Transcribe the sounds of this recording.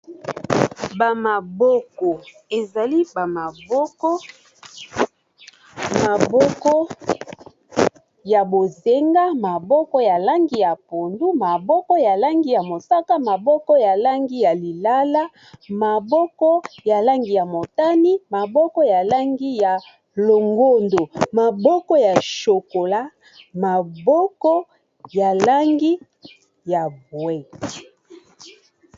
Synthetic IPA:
ba˨ma˨bɔ˦kɔ˨ | e˨za˨li˦ba˨ma˨bɔ˦kɔ˦ | ma˨bɔ˦kɔ˦ | ja˨bo˨ze˦ŋɡa˦ma˨bɔ˦kɔ˦ja˨la˦ŋɡi˦ja˨po˨ndu˦ma˨bɔ˦kɔ˦ja˨la˦ŋɡi˦ja˨mo˨sa˦ka˦ma˨bɔ˦kɔ˦ja˨la˦ŋɡi˦ja˨li˨la˦la˦ | ma˨bɔ˦kɔ˦ja˨la˦ŋɡi˨ja˨mo˨ta˦ni˦ma˨bɔ˦kɔ˦ja˨la˦ŋɡi˦ja˨ | lo˨ŋɡo˦ndo˨ma˨bɔ˦kɔ˦ja˨ʃo˨ko˨la˦ | ma˨bɔ˦kɔ˦ | ja˨la˦ŋɡi˦ | ja˨bwɛ˦˨

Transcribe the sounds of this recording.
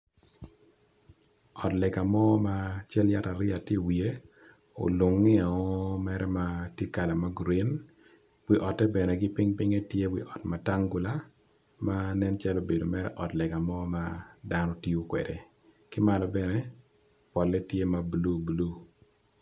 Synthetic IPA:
ɔ˨tlɛ˨ɡa˨mɔ˦ma˦t͡ʃɛ˦lja˦ta˨ɾɪ˦a˨tje˦wi˨e˦ | o̰˨lu˨ŋːɪ˦a˨ɔ˦mɛɾɛ˦ma˦tje˦ka˨la˨ma˦ɡɾi˦n | wi˦ʔɔ˨tɛ˦bɛ˨nɛ˨ɡɪ˦pɪŋpɪ˦ŋɛ˦tje˦wḭ˨ʔɔ˨tma˨ta˦ŋɡu˨la˦ | ma˦nɛ˦nt͡ʃɛ˦lo˨be˨do˨mɛ˦ɾɛ̰˦ʔɔ˨tlɛ˨ɡa˨mɔ˦ma˦da˦nɔ˦ti˦u˦kwɛ̰˨de˨ | kɪ˦ma˨lɔ˨bɛ˨nɛ˦ | pɔ˨lɛ˦tje˦ma˨blu˦blu˦

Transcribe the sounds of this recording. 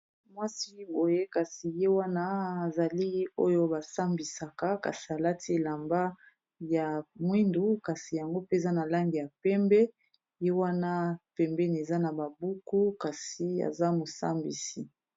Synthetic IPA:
mwa˦si˦bo˨je˦ka˨si˨je˦wa˦na˦a˨za˨li˦o̰˦jo˦ba˨sa˦mbi˨sa˨ka˦ka̰˨si˨a˨la˦ti˦e˨la˨mba˦ | ja˨mwi˦ndu˦ka˨si˨ja˨ŋɡo˦pe˦˨za˦na˨la˦ŋɡi˨ja˨pɛ˦mbɛ˦ | je˦wa˦na˦pɛ˨mbɛ˦n˨e˨za˦na˨ba˨bu˦ku˦ka˨si˨a̰˨za˦mo˨sa̰˦mbḭ˨si˨

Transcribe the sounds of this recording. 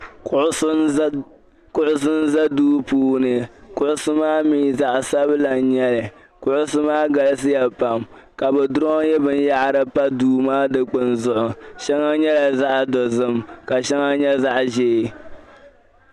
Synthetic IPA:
ʊ˨ʔʊ˦ | kʊ˦ʔʊ˦s̬ɨ˦n̩˦za˦duː˦puː˦nɨ˨kʊ˦ʔʊ˦sɨ˦maː˦miː˦za˨ʔsa˦bla˨n˦ɲɛ˦lɨ˨ | kʊ˦ʔʊ˦sɨ˦maː˦ɡa˨lɨ˦s̬ɨ˦ja˨pa˨m | ka˨bɛ˨dʊ˦ɾɔ˦jɛ˦bɨ˦n˦ja˦ʔɾɨ˦pa˦duː˨maː˦dɨ˨k͡pɨ˨nzʊ˦ʔʊ˨ʃɛ˦ŋa˦ɲɛ˦la˨za˦ʔdɔ˨zɨ˦mka˨ʃɛ˦ŋa˦ɲɛ˦za˦ʔʒeː˦˨

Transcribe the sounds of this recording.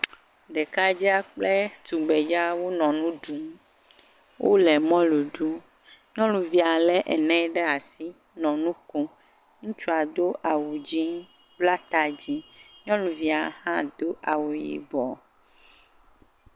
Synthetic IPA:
ɖɛ˨ka˦d͡ʒi˦a˦k͡ple˦t̪u˨ɡ͡bɛ˨d͡ʒa˦wo˦nɔ̃˨nũ˦ɖu˨m | wʔo̰˦lɛ˨mɔ̃˦lu˨ɖu˦ | ɲɔ̃˦lu˨vi˨˦a˨lɛ˦ʔɛ̰˨nɛ̃˦ɖɛ˦a˨si˦ | nɔ̃˨nũ˦ko˦ | ŋũ˦t͡ʃu˦a˨d̪o˦ʔa˨wu˨d͡ʒi˦ | bla˦t̪a˨d͡ʑi˦ɲɔ̃˦lũ˨vi˦a˨hã˦d̪o˦ʔa˨wo˨jḭ˨bɔ˨

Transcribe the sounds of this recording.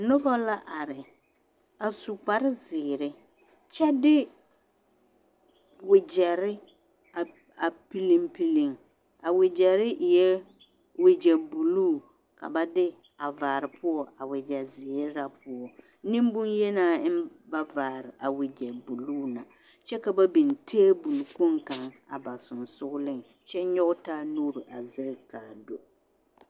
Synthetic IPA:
nʊ˦bɔ˦la˦ʔa˨ɾɪ˨ | a˨su˨k͡pa˨ɾɪ˦zɪː˨ɾɪ˦ | t͡ʃɛ˦dɪ˦ | wɪ˨d͡ʒɛ˨ɾɪ˦ | a˨ | a˨pi˦li˦ŋpi˦li˦˨ŋ | a˨wɪ˨d͡ʒɛ˨ɾɪ˦ʔɪ˨jɛ˦ | wɪ˨d͡ʒɛ˨bu˨luː˦˨ | ka̰˨ba˦dɪ˦ | a˨vaː˨ɾɪ˨pʰʊ˦ɔ˦ʔa˨wɪ˨d͡ʒɛ˨zɪ˨ɛ˦ɾa˦pʊ˦ɔ˨ | nĩ˦m˦bʊ˦njɛ˦naː˦˨ɪ˦mba˦vaː˨ɾɪ˨ʔa˨wɪ˨d͡ʒɛ˨bu˨luː˦na˨ | t͡ʃɛ˦ka˨ba˦bi˨n˨tʰe˦bu˨lku˦ŋka˨ŋa̰˨ba˨sʊ˨n˨sʊ˦ɣʊ˦lɪ˦ŋ | t͡ʃɛ˦ɲɔ˦ɣʊ˦taː˦nuː˦ɾi˨ʔa˨zɪ˦kaː˨do˨

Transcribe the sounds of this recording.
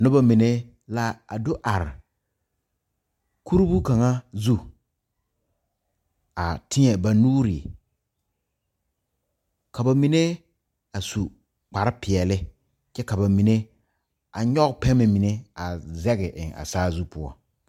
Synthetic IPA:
nʊ˦ba˦mi˨ne˦ | la˦a̰˨do˦ʔa˨ɾɪ˨ | kʰu˦ɾbu˦ka˨ŋa˦zu˦ | a˨tʰɪ˦ɲɛ˨ba˨nuː˦ɾi˨ | ka˨ba˨mi˨ne˦ | a˨su˨ | k͡pa˨ɾɪ˦pɪ˨ɛ˨lɪ˦ | t͡ʃɛ˦ka˨ba˨mi˨ne˦ | a̰˨ɲɔ˦ɡpɛ˦me˨mi˨ne˦a˨zɛ˦ɣɪ˨ʔɪ˨ŋa̰˨saː˦zu˦pʊ˦ɔ̰˦

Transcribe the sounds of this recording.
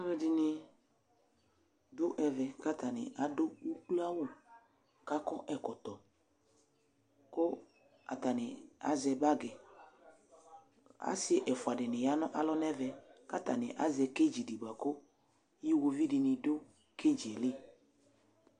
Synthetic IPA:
a˦vɛ˦dɪ˦˧nɪ˧ | dʊ˦ʔɛ˨vɛ˨ka˦ta˨nɪ̰˨a˨dʊ˦u˦k͡pu˦a˦wʊ˦˨ | ka˦kɔ˦ʔɛ˨kɔ˨tɔ˨ | kʊ˦ | a̰˨ta˨nɪ̰˨a̰˦zɛ˧ba˦ɡɛ˨ | a̰˦sɪ˦ʔɛ˨fʊ˨a˨dɪ˨nɪ˨ja˦nɔ˦ʔa˨lɔ˦nɛ˦vɛ˨ka˦ta˨nɪ˨ʔa̰˨˦zɛ˧ke˦d͡ʒi˨di˨ba˨kʊ˦ | ji˦wo˧vi˦dɪ˧nɪ˨dʊ˦ | ke˦d͡ʒi˨e˨lɪ˦˨

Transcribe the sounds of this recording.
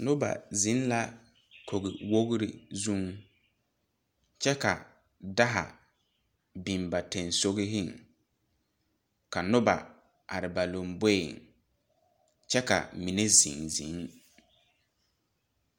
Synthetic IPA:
nʊ˦ba̰˨zɪ˨˦n˦la˦ | kʰo˨ɡɪ˨wo˦ɣɾɪ˦zu˦˨ŋ | t͡ʃɛ˦ka̰˨ | da˦ɦa̰˨ | bi˨mba˨te˨nso˦ɣɪ˦ɦɪ˦˨ŋ | ka˨nʊ˦ba˨ | ʔa˨ɾɪ˨ba˨lo˨mbe˦˨ŋ | t͡ʃɛ˦ka̰˨mi˨ne˦zḭ˨ŋzḭ˨˦ŋ

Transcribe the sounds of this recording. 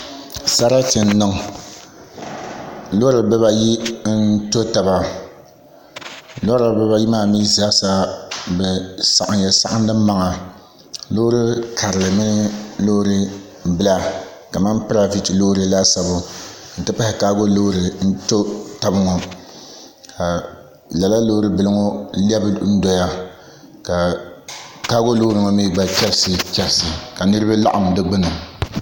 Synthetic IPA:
sa˦ɾa˦tɪ˨n˦nɨ˦ŋ˨ | lo˦ɾɨ˨bɛ˦ba˦ji˦n˦n˦to˦ta˨ba˨ | lo˦ɾa˨bɛ˦ba˦ji˦maː˦˨miː˦za˦sa˦bɛ˨sa˨ʔa˨jɛ˨sa̰˦ʔa˦ndɨ˦mː˦a˦ŋa˨ | lo˦ɾɨ˦kʰa˨ɾɨ˨lɨ˨mɨ˦nɨ˦lo˦ɾɨ˦ | bɨ˦la˦ | ka˨ma˦mpɨ˦ɾa˦vi˦ti˨loː˦ɾɨ˦la˦sa˨bʊ˦ | n̩˨tɨ˦pa˦hɪ˨kaː˦ɡo˦lo˦ɾɨ˨n̩˦to˦ta˦bɨ˦ŋɔ˨ | ka˨ | la˨la˦lo˦ɾɨ˦bɨ˨lɨ˦ŋɔ˦li˦ɛ˦bɨ˦n̩˦dɔ˦ja˦ | ka˨ | kaː˦ɡo˦loː˦ɾɨ˨ŋɔ˦mi˦ɡ͡ba˨t͡ʃɛ˦bsɨ˨t͡ʃɛ˨bsɨ˨ka˨nɨ˦ɾɨ˦ba˦la̰˦ʔa˨ŋ˨dɨ˦ɡ͡bɨ˦nʊ˨

